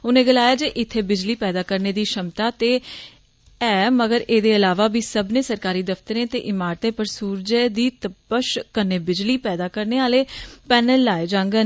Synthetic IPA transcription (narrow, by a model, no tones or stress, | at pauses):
ʊnẽːɡəlaːjaːd͡ʒeːʔɪt̪ʰːeːbɪd͡ʒliːpɛːd̪aːkəɾneːd̪iːʃəmt̪aːt̪eː | ɛːməɡəɾeːd̪eːəlaːʋaːbiːsəbnẽːsəɾkaːɾiːd̪əft̪əɾẽːt̪ḛːʔɪmaːɾt̪ẽːpəɾsuːɾd͡ʒeːd̪iːt̪əpːəʃkəɾneːbɪd͡ʒliːpɛːd̪aːkəɾneːaːleːpɛːnəlːaːed͡ʒãːŋɡən